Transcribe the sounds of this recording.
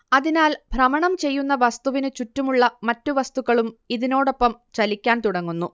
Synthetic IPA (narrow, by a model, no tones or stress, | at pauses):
ɐðinaːlbʱrɐmɐɳɐmt͡ɕe̞jːunːɐʋɐst̪uʋinɨt͡ɕutːumuɭːɐmɐtːuʋɐst̪uɣɐɭumiðino̞ːɽo̞pːɐmt͡ɕɐlikʲːaːnt̪uɽɐŋːunːu